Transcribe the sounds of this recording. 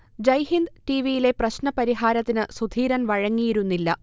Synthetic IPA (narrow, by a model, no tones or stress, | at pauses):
d͡ʑɐjɦind̪ʈiʋijile̞prɐɕnɐpɐɾiɦaːɾɐt̪ːinɨsud̪ʱiːɾɐnʋɐɻɐŋːijiɾunːilːɐ